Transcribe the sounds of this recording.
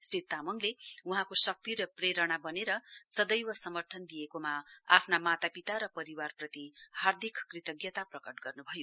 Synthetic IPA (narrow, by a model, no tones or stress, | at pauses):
srit̪ːamʌŋleuɦãkosʌk̚t̪iɾʌpreɾʌɽ̃abʌneɾʌsʌd̪ʌjwʌsʌmʌrt̪ʰʌnd̪ijekomaa̰pʰnamat̪apit̪aɾʌpʌɾiwarprʌt̪ihard̪ʱikːkrit̪ʌɡjʌt̪aprʌkʌʈɡʌrnubʱʌjo